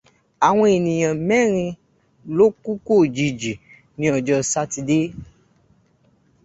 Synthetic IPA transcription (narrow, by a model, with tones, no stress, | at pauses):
a˨w̃ɔ̃˧e˨nĩ˨j̃ã˨mɛ̃˦˨ɾ̃ĩ˧ | lo˦ku˦ko˦˨d͡ʒi˨d͡ʒi˨ | nĩ˧˦ɔ˨d͡ʒɔ˧sa˦ti˧de˦